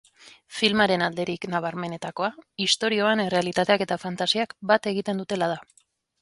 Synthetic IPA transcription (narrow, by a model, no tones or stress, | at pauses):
filmaɾe̞nald̪e̞ɾiknaβ̞aɾme̞ne̞t̪ako̞aist̪o̞ɾio̞ane̞re̞alit̪at̪e̞ake̞t̪afant̪asiakbat̪e̞ɣit̪e̞nd̪ut̪e̞lað̞a